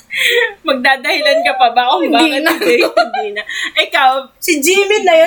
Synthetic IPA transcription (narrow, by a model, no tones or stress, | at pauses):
mɐɡ̚d̪aːd̪ɐhɪlɐnkɐpɐbakobaɐaɛkopɐd̪inɐʔɪkawsɪd͡ʒiːmɪt̪̚nɐjo